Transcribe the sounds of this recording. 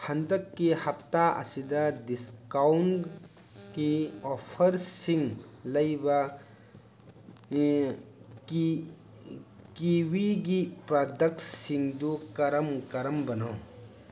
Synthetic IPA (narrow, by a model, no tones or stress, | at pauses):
hɐndɐkːihɐp̚taɐ̰sidɐdiskawn | kiopʰɐɾsiŋlɐjbɐ | kiwiɡipɾadɐk̚siŋdukɐɾɐmkɐɾɐmbɐnɔw